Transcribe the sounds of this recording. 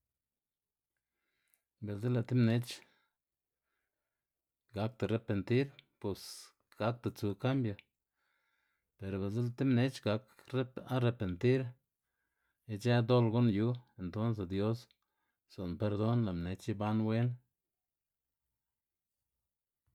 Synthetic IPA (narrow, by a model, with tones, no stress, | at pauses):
be˨lze˦la˨t̪i˦mne˧t͡ʃ | ɡa˧˦k̚t̪a˨ɾe˨pe˨nt̪i˦ɾpu˨s | ɡ̥a˦k̚t̪a˨t͡su˨ka˦mbjo˧ | pe˨ɾbe˨ze˦la˧˨t̪i˦mne˧t͡ʃɡa˧kɾe˦a˦ɾe˧pe˨nt̪i˦ɾ | i˧d͡ʒe˦d̪o˦lɡo˦nju˦e˨nt̪o˦ns̬e˧˨d̪jo˦s | z̥o˨npe˧ɾd̪o˦nla˨mne˨t͡ʃi˦ba˦nwe˦n